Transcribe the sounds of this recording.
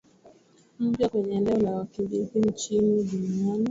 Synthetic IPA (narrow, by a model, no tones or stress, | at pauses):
m̩pjakwɛɲɛndɛɔlawakibitin̩t͡ʃiniduniani